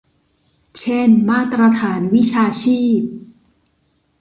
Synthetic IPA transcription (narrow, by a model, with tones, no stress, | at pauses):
t͡ɕʰe˥˩nmaː˥˩t̪ɾa˧t̪ʰaː˩˦nwi˦˥˩t͡ɕʰaː˧t͡ɕʰiː˥˩p̚